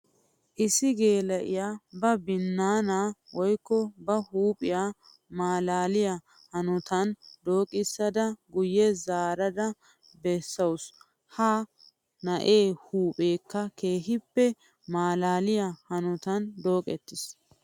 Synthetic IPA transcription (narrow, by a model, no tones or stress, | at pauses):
ʔɪsɪɡeːlɐʔɪjaːbɐbɪnːaːnaːwɔjkːɔbɐhuːpʼɪjaː | maːlaːlɪja | hɐnʊt̪ɐnd̪o̞ːkʼɪsːɐd̪ɐɡʊjɛzaːɾɐd̪ɐ | bɛsːɐwʊs | haː | nɐʔe̞ːhuːpʼeːkːɐke̞ːɦɪpːɛ | maːlaːlɪjahɐnʊt̪ɐnd̪o̞ːkʼɛt̪ːɪs